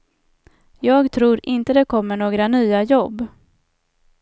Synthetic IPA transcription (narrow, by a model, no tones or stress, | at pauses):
jɑːɡt̪ʰɾuːɾʔɪnt̪əd̪ɛkʰɔmːəɳoːɡɾanyːajɔbː